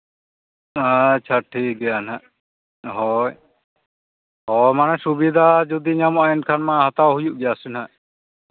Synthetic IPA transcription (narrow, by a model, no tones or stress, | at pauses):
at͡ʃʰaʈʰik̚ɡɛjanɦaʔ | ɦɔj | hɔjmanɛsubid̪ʱad͡ʒud̪iɲamɔʔaɛnkʰanmaɦat̪awɦujuʔbɛjasɛnhɦaʔ